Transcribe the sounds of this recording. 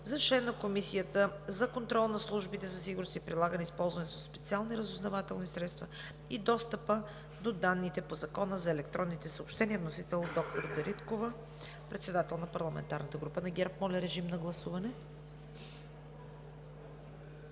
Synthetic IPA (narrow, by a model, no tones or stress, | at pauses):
zɐt͡ʃlɛnːɐkomisijət̪əzɐkont̪ɾɔlˠnɐslˠuʒbit̪ɛzɐsiɡuʊɾnost̪ipɾilˠaɡənɛispɔlˠzvɐnɛt̪oospɛt̪sialˠniɾəzʊznɐvat̪ɛlˠnisɾɛt̪st̪vɐ | id̪ɔst̪əpə | d̪od̪anːit̪ɛpozɐkɔnəzɐɛlɛkt̪ɾɔnːit̪ɛsəopʃt̪ɛniɛvnosit̪ɛlˠod̪ɔk̚t̪oɾd̪ɐɾʔit̪kovə | pɾɛt̪sɛd̪at̪ɛlˠnɐpɐɾlˠɐmɛ̰nt̪aɾnət̪əɡɾupənɐɡɛɾpmɔlʲɐɾɛʒimnɐɡlˠɐsuvɐnɛ